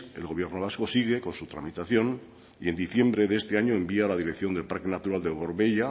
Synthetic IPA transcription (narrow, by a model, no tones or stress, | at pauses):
elɣo̞βje̞ɾno̞β̞asko̞siɣ̞eko̞nsut̪ɾamit̪aθjo̞n | ie̞nd̪iθje̞mbɾeðeest̪e̞aɲoembialað̞iɾekθjo̞nd̪e̞lpaɾke̞nat̪uɾald̪e̞ɣo̞ɾβe̞ʎa